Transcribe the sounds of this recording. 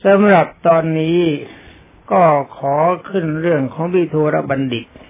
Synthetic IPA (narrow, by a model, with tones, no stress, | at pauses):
sa˨˦mɾa˨˩p̚t̪ɔː˧nːiː˦˥ | kɔː˥˩kʰɔː˩˦kʰɯ˥˩nɾɯ˥˩əŋkʰɔː˩˦ŋpʰiː˧˩t̪ʰoː˧ɾa̰˦˧ba˧ndi˨˩k̚